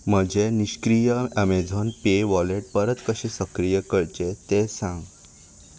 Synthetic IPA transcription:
m̤əd͡ʑeniɕkɾijəəmed͡zʱonpeʋɔleʈ̚pəɾət̪kəɕesəkɾijəkəɭt͡ɕet̪esãŋɡ

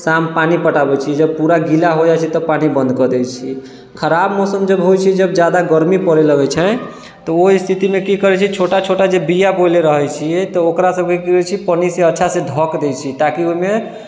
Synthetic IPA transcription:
sampanipəʈabɛt͡ʃʰid͡ʒəb̚puɾaɡilaɦod͡ʒat͡ʃʰɛt̪ɔpanibə̃nd̪kəd̪ɛt͡ʃʰi | kʰəɾabmɔsəmd͡ʒəbɦojt͡ʃʰid͡ʒəbd͡ʒjad̪aɡəɾmipəɾeləɡɛt͡ʃʰɛ | t̪ɔoist̪ʰit̪imekikəɾɛt͡ʃʰit͡ʃʰoʈat͡ʃʰoʈad͡ʒebijabojleɾəɦɛt͡ʃʰiɛt̪ɔokɾasəb̚kekiɛt͡ʃʰipəniseətːʃʰaseɖʱɔkd̪ɛjt͡ʃʰit̪akioime

